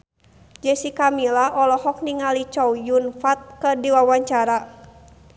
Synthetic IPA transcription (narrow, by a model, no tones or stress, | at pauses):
d͡ʒɛsikamilaʔɔlɔhɔk̚niŋalit͡ʃɔwjunfat̪̚kədiwawaɲt͡ʃaɾa